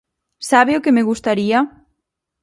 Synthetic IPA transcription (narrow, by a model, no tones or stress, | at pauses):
saβeʊkemeɣust̪aɾia